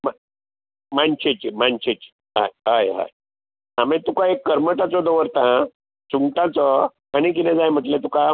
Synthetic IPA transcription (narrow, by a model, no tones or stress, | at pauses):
ma | mant͡ɕet͡ɕimanɕet͡ɕi̥ | ɦa̰jɦajɦa̰j | amẽt̪ukãekːəɾməʈat͡sɔd̪ɔʋəɾt̪ã | suŋɡʈãt͡sɔ | añik̬inɛ̃d͡zajm̤əʈ̪lẽt̪uka